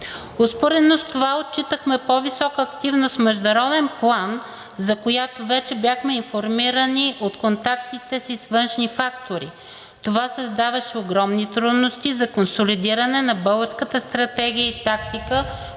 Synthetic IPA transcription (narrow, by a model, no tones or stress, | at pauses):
ospoɾɛnost̪ovaot̪̚t͡ʃit̪əxmɛpovisɔkəːkt̪ivnosmɛʒd̪ɐɾɔd̪ɛnplˠan | zɐkojat̪ovɛt͡ʃɛbjaxmɛinfoɾmiɾəniʔot̪kont̪ak̚t̪it̪ɛsisvɤnʃnifak̚t̪oɾḭ | t̪ovasəzd̪avɐʃɛoɡɾɔmnit̪ɾud̪nost̪izɐkonsolid̪iɾənɛnɐbɤlˠɡəɾskət̪əst̪ɾɐt̪ɛɡ̟ʲijəit̪ak̚t̪ikə